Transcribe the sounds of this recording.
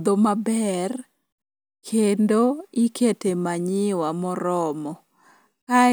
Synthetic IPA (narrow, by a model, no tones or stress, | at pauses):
d̪omabɛr | kʰendoiketemaɲɪwamɔɾɔmɔ | ka